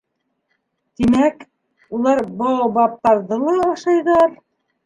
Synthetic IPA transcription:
t̪imæk | ulˠɑɾbɑwɑbɑp̚t̪ɑɾðɤlˠɑɑʃɑjðɑɾ

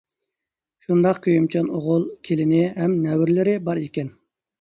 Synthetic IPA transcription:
ʃund̪ɑqkʲøjymt͡ʃʰɑnoʁʊlˠkʲʰelɪnɪɦɛmnɛwɾlɪɾɪbɑɾekʲɛn

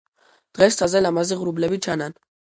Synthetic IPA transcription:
d̪̥ʁɛssʰazɛlamaziʁɾublɛbit͡ʃʰanan

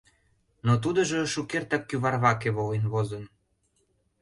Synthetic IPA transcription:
not̪̬ud̪ə̆ʒə̆ʃukert̪ɑkːyβɑrβɑkeβolenβozən

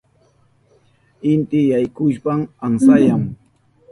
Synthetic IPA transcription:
ɪnt̪ɪjajkʊʃpamansajam

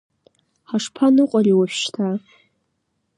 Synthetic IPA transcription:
ħaʂpʰanɨqʷʼariwaʃʃtʰa

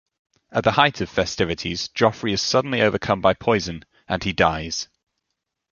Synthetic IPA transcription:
ʔəʔðəhaɪtʰəv̥fɛstɪvɪtʰiz̥d͡ʒ̥ɒfɹiɪz̥sʌdⁿn̩liəʊvəkʰʌ̃mbaɪpʰɔɪzə̃n | ə̃nidaɪz̥

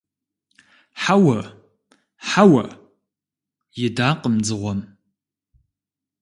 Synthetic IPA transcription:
ħawɐ | ħawɐ | jɪdaːqʼəmd͡zɨʁʷɔm

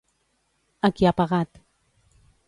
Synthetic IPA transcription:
akiapaʁat̪

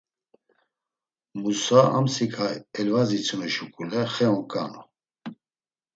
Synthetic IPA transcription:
musaa̰msikʰajɛlvazit͡sʰumɛʃukʼulɛχɛɔkʼa̰nɔ

